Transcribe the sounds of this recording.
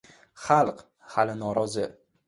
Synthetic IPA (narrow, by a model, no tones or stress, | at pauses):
χalˠq | halɪnɒɾɒzɪ